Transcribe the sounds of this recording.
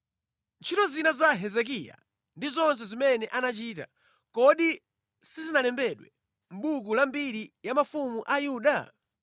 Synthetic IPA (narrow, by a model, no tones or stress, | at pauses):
nt͡ʃʰitɔzinazaɦɛzɛk̬ija̰ | ndizɔns̬ɛzimɛnɛʔanat͡ʃiːta̰ | kɔɗi | sizinalɛmbɛɗwɛ | m̩ɓukulambiɾijamafumuʔajuːɗa